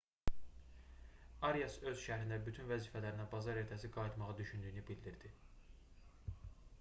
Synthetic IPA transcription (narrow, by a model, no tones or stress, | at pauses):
ɑɾjɑsø̞z̥ʃæɾind̪æbyt̪ʰynvæziːfælæɾinæbɑzɑɾe̞ɾt̪ʰæsiɡɑjit̪mɑʁɑd̪yʃynd̪yjnybild̪iɾd̪i